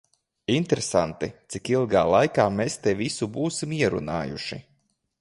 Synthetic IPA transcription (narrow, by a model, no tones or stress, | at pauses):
int̪ɾesant̪it̪sikilˠɡaːlˠajkaːmeːst̪evisubuːsimiɛɾṵna̰ːjṵʃḭ